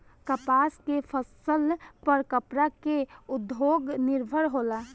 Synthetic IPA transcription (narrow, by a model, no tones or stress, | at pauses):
kəpaːskepʰəsəlpəɾkəpɾakeʊd̪ʱjoːɡnɪɾbʱəɾɦoːlaː